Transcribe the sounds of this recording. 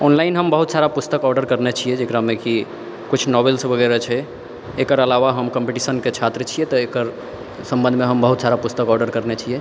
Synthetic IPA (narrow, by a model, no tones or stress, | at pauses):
ɔnlainɦəmbəɦut̪saɾapust̪əkɔɾɖəɾkəɾnet͡ʃʰiɛd͡ʒekɾameki | kut͡ʃʰnɔbelsbʱəɡɛɾət͡ʃʰɛ | ekəɾəlaʋaɦəmkəmpiʈisənket͡ʃʰat̪ɾət͡ʃʰijɛt̪əekəɾ | sə̃mbə̃nd̪ʱmeɦəmbəɦut̪saɾapust̪əkɔɾɖəɾkəɾnet͡ʃʰijɛ